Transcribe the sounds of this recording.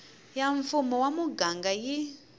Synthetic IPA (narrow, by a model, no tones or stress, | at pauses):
jaɱfumɔwamuɡaŋɡaji